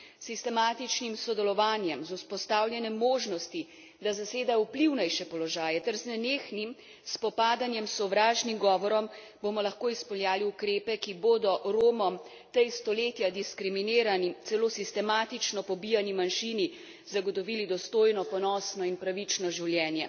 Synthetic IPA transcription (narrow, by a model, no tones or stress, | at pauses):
sist̪ɛmaːt̪it͡ʃnimsɔd̪ɛlɔʋaːnjɛmzuspɔst̪awljɛnɛmːoːʒnɔst̪i | d̪azaseːd̪aupliwnɛjʃɛpɔlɔʒaːjɛt̪ɛɾznɛneːxnim | spɔpaːd̪anjɛmsɔʋɾaːʒnimɡɔːʋɔɾɔm | bomɔlɐxkoːispɔljaːliukɾeːpɛkiboːd̪ɔɾoːmɔm | t̪ɛjst̪ɔleːt̪jad̪iskɾimineːɾanit̪sɛloːsist̪ɛmaːt̪it͡ʃnɔpɔbijanimanʃiːni | zaɡɔt̪ɔʋiːlid̪ɔst̪oːjnɔpɔnɔːsnɔinpɾaʋit͡ʃnɔʒiwljɛːnjɛ